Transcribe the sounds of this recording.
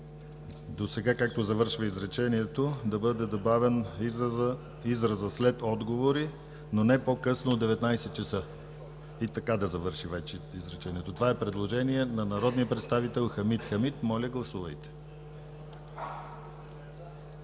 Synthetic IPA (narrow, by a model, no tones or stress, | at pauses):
d̪osɛɡakak̚t̪ozɐvɤɾʃvəizɾɛt͡ʃɛniɛt̪od̪ɐbɤd̪ɛd̪obavɛn | izɾɐzəslɛt̪ɔd̪ɡovoɾi | nonɛpokɤsnoːɛvɛt̪najsɛt̪̚t͡ʃɛsɤ | it̪ɐkad̪ɐzɐvɤɾʃivɛt͡ʃɛizɾɛt͡ʃɛniɛt̪ot̪ovaɛpɾɛd̪lˠoʒɛniɛnɐnɐɾɔd̪nijəpɾɛt̪st̪avit̪ɛlˠxɐmit̪xɐmit̪mɔlʲɐɡlˠɐsuvɐjt̪ɛ̥